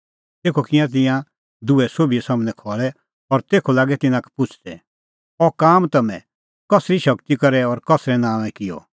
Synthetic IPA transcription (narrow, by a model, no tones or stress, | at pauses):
t̪eːkʰokɪjãt̪̬ɪ̃jã | d̪uɛsoːbiɛsaːmnɛ̃kʰɔːɭɛ | ɔɾt̪eːkʰolaːɡɛt̪ɪnãkʰɛ̥pʊt͡ʃʰd̪ɛ | ɔkaːmt̪ɐmɛ̰̃ | kɐsɾiʃɐkt̪ikɐɾɛɔɾkɐsɾɛnãːʋɛ̃kɪjɔ̰